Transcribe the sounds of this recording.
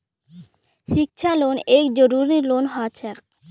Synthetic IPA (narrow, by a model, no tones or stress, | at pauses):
ʃik̚t͡ɕʰalonekd͡ʑoɾuɾilonɦɔt͡ɕʰe